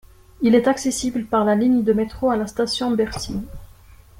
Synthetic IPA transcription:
ilɛt̪aksesibləpaʁlaliɲd̪əmet̪χoalast̪asjɔ̃bɛʁsi

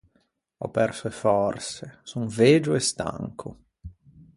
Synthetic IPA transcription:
ɔ̰pːɛrsoefɔrsesunveːd͡ʒʊɛst̪a̰ŋkʰʊ̰

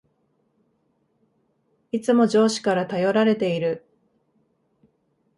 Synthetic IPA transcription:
it͡sɨmo̞d͡ʑo̞ːɕi̥kaɾat̪ajo̞ɾaɾe̞t̪e̞iɾɯ̟

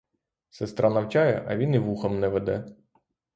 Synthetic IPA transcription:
sɛst̪ɾɑnɐwt͡ʃɑjɛʔɐʋʲiniʋuxɐmnɛʋɛd̪ɛ

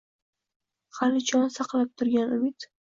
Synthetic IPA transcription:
χalɪt͡ʃʰɒnsɑqlˠap̚t̪ʰʊɾɡʲanʊmɪt̪

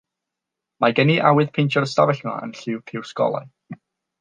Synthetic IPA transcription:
maɡəniʔawɨð̥pʰejntʰɔrstavɛɬmɔə̰nɬɪwpʰɪwskɔ̰lˠa̰j

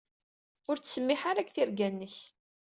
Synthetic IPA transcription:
ʊɾt͡sːsəmːɪħaɾækθiɾɡænːəç

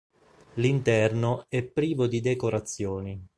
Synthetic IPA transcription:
lint̪ɛrnoɛpːɾiːvod̪id̪ekoɾat̪sːjoːni

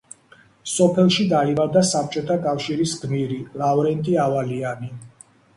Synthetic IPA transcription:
sɔpʰɛlˠʃid̪aimavd̪asap̚t͡ʃʼɔt̪ʰakʼafʃiɾisɡmiɾilˠauɾɛnt̪ʼiavaliani

